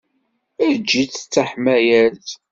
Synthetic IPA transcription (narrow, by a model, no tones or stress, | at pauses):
æðd͡ʒːit͡sːə̥t͡sːaħmæjæθ